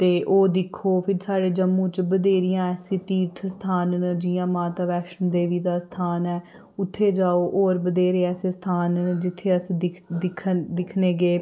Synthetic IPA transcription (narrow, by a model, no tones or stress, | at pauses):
t̪eːʔoːd̪ɪkʰːoːpʰɪɾsaːɽeːd͡ʒəmːũːt͡ʃbəd̪eːɾɪjãːɛːsɪt̪iːɾt̪ʰst̪ʰaːnd͡ʒiːãːmaːt̪aːʋɛːʃənd̪eːʋiːd̪aːst̪ʰaːnɛː | ʊt̪ʰːeːd͡ʒaːoːʔoːɾbəd̪eːɾeːɛːseːst̪ʰaːnd͡ʒɪt̪ʰːeːəsĩːd̪ɪd̪ɪkʰd̪ɪkʰneːɡeː